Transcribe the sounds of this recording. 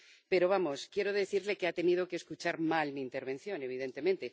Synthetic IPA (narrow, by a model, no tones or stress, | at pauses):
pe̞ɾo̞β̞amo̞skje̞ɾo̞ðe̞θiɾle̞keat̪e̞nið̞o̞ke̞ːskut͡ʃaɾmalmiːnt̪e̞ɾβ̞e̞nθjo̞ne̞β̞iðe̞nt̪e̞mẽnt̪e̞